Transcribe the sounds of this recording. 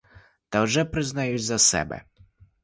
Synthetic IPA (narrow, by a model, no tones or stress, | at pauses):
t̪ɐwʒɛpɾɪznɐjut͡sʲzɐsɛ̰bɛ̰